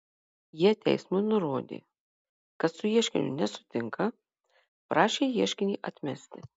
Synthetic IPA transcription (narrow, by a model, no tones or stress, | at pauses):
jiɛt̪ʲɛ̰ɪsmʊɪnʊɾoːd̪ʲḛː | kɐt̪sʊjiɛʃʲkʲɪ̰nʲʊ̰nʲɛsʊ̥t̪ʲɪŋkɐ | pɾʔɑːʃʲeːjiɛʃʲkʲɪnʲiːʔɐt̪ʲmʲɛsʲt̪ʲɪ